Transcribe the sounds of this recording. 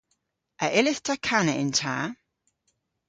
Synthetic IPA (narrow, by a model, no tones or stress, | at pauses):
ʔəʔɪlɪθtʰəkʰanəɪ̰̃ntʰaː